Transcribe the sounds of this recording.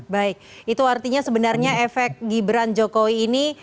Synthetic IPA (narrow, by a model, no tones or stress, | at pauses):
baɪk̚it̪uart̪iɲasəbənarɲaɛfɛk̚ɡibɾand͡ʒokowiːni